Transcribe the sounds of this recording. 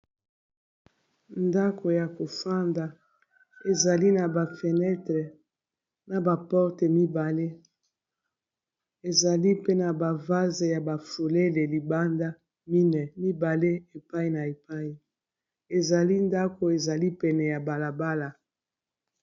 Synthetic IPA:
nda˦kʰo˨ja˨ko˨fa˦nda˨ | e˨za˨li˦na˨ba˨fɛ˨nɛ˦tʁe˨ | na˨ba˨pɔ˦ʁtɛ˨mi˦ba˨le˦ | e˨za˨li˦pe˦na˨ba˨va˦ze˨ja˨ba˨fo˨le˦le˨li˨ba˦nda˦ | mi˦nɛ˨mi˦ba˨le˦e˨pa˦i˦na˨e˨pa˦i˨ | e˨za˨li˦nda˦ko˨e˨za˨li˦pɛ˨nɛ˨ja˨ba˨la˨ba˦la˨

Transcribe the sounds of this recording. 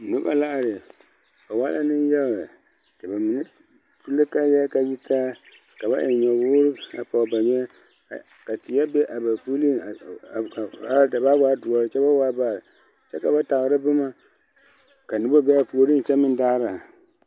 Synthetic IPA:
nu˦ba̰˦la˦ʔa˨ɾe˨ | ba˨wa˦la˦nɨ˦n˦jɛ˦˨ | tɨ˨ba˨mi˨n˦ | tu˦le˦ka˦jɛ˦ka˨ji˦tʰa˦ | ka˨ba˦ʔɪ˨ɲɔ˨wu˦ɾɨ˦a̰˨pa˨ba˨ɲɛ˦˨ | ka˨ti˨ja˦be˦ʔa˨ba˨pu˦li˦˨ | a˦da˨ba˦wa˦du˨ɔ˨ɾɨ˨t͡ʃɛ˦ba˦wa˦ba˦˨ɾ | t͡ʃɛ˦ka˨ba˦ta˨ɣɾɨ˦bɨ˦ma˦ | ka˨nʊ˦ba˦bɛ˦a˨po˨o˨˦ɾi˦n˨t͡ʃɛ˦mɨ˦n˦daː˦ɾa˨

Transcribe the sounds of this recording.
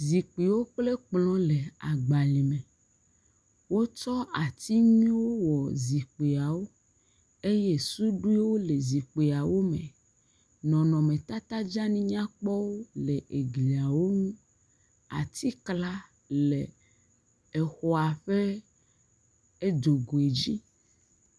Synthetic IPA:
zi˨k͡pi˨wo˦k͡ple˦k͡plɔ̃˦le˨a˨ɡ͡ba˨li˨mẽ˨ | wo˦t͡ʃɔ˦a˨t̪i˦mĩ˦wo˦wɔ˨zi˨k͡pe˨a˨wo˦ | e˦je˦su˦ɖu˦i˦wo˦le˨zi˨k͡pe˨a˨wo˦mḛ̃˨ | nɔ̃˨nɔ̃˨mẽ˨t̪a˦t̪a˦d͡ʒa˦nĩ˦ɲã˦k͡pɔ˦wo˦le˨ʔe˨ɡli˨a˨wo˦ŋũ˦ | a̰˨t̪ʰi˦kla˦ | le˨ | e˨xɔ˨a˨ɸe˦ | e˦d̪o˨ɡo˨e˨d͡ʑi˦

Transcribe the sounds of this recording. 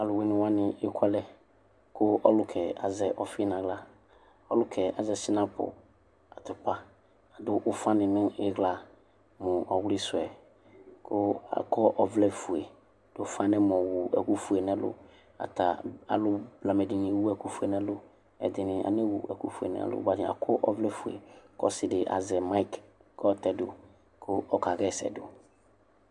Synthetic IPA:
a˨lʊ˨we˦nɪ̃˨wa˦nɪ̃˨ɪ˦kʷʰa˦lɛ˦ | kʰʊ˦ɔ˦lʊ˦kʰɛ˨a̰˨zɛ˦ʔɔ˨fnã˨ɡla˦ | ɔ˦lʊ˦kʰɛ˨a˨zɛ˦sɪ˦nã˦pʊ̰˨ | a˨t̪ʊ˨pa˦ | a˨dʊ˦ʔʊ˦fã˦nɪ̃˨nʊ̃˦ɪ˦ɣla˨ | mʊ̃˨ɔ˨wʊ˦lɪ˦sʊ˨ɛ˨ | kʰʊ˦a̰˨kʰɔ˦ʔɔ˨vlɛ˦fu˨e˨ | d̥ʊ˨˦fã˦nɛ̃˦mɔ̃˨wu˨ɛ̰˨ku˦fu˨e˨nɛ̃˦lʊ̰˦ | a̰˨t̪a˨a̰˨lʊ˦bla˨mɛ˨dɪ˨ɲĩ˨˦wu˦ɛ˨ku˦fu˨˦e˨nɛ̃˦lʊ˦ | ɛ̰˨d̪ɪ˨nɪ̃˨ʔa̰˨nɪ˦wu˨ɛ˨ku˦fu˨ḛ˨nɛ̰̃˨a̰˨lʊ̰˦ba˦˨dɪ˨a̰˨kʰɔ˦ʔɔ˦vlɛ˦fu˨ḛ˨kɔ˦sɪ˨dɪ˨ʔa̰˨zɛ˨ma˦i˦kkɔ˦t̪ɛ˨dʊ̰˨ | kʰʊ˦ɔ˦ka˨ɡɛ˦˨sɛ̰˨dʊ˨

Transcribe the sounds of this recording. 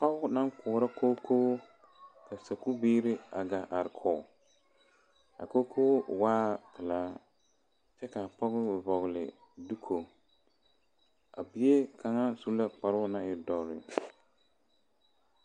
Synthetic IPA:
pa˦ɣʊ˦na˦ŋkʰʊ˨ɾa˦kʰoː˦kʰoː˦ | ka˨sa˨ku˦biː˦ɾɪ˦a˨ɡa˨ʔa˨ɾkʰɔː˨ | a̰˨ko˦kʰoː˦˨waː˦pɪ˨la˦ | t͡ʃɛ˦ka˨pɔ˦ɣʊ˦˨vɔ˨ɣlɪ̰˨ | du˦kʰo˨ | a̰˨bi˨e˦kʰa˨ŋa˦su˦la˦k͡pa˨ɾʊ˦na˨ɪ˨˦dɔ˨ɾɪ̰˨

